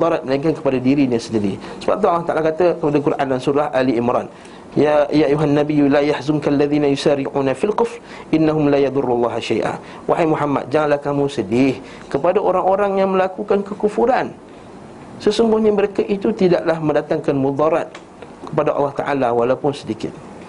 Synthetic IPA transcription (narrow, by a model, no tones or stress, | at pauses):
ud̪ˤɑɾat̪̚məlaiŋkankə̥padadiɾiɲasəndiɾisəba̰p̚t̪aɑlːɑht̪aʔalakat̪əkəpadakuɾʔa̰ndansuɾahʔaliʔimɾa̰n | ajajuɦanːabijulajahzʊnkalːaðiːnajusaɾiʕuːnafilkʊfr | ʔɪnːaɦʊmlajɑd̪ʊrːulːɑɦaʃajʔa̰ | wʔaɦajmuħamːa̰t̪̚d͡ʒaŋanlahkamũsədɪh | kəpadaʔoɾaŋoɾaŋjaŋmə̃lakukankəkufuɾan | səsuŋɡʊhɲaməɾekaʔit̪ut̪idaʔlahməndat̪aŋkanmud̪ˤɑɾat̪̚ | kə̥padaʔɑ̰lːɑht̪a̰ʔalawalawpʊnsədikɪ̰t̪̚